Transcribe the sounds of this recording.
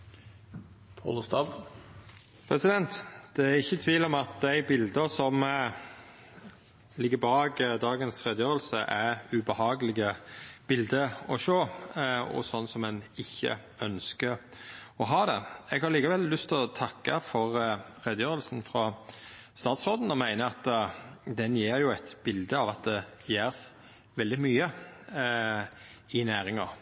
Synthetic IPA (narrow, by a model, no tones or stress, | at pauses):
pʰɑ̰lst̪ɑːb | pʰɾɛsɪd̪ɛnt̪d̪̥ɛæɾɪçːət̪ʰʋiːlɔmɑt̪̚d̪æɪbɪld̪əsɔm | lɪɡːəɾbɑːɡd̪ɑːɡənsɾɛd̪əjøːɾəlsəʔæʉbəhɑːɡəlɪɡəb̥ɪld̪əɔʃøːɔ̰sɔnːsɔmɛnɪçːə̰ | œnskə | ɔɦɑːd̪ɛɛɡhɑɾliːkɑʋɛlːʉst̪ʰɔt̪ʰɑkːɑfɔʁʰ | ɾɛd̪jøːɾəlsn̩fɾɑ | st̪ɑːt̪sʁoːd̪n̩ɔmæɪnəɑt̪ːd̪ɛnjeːɾjʊæɪt̪b̥ɪld̪əɑʋɑt̪̚d̪ɛ | jeːɾs | ʋɛld̪ɪmyːə | ɪnæːɾɪŋɑ̰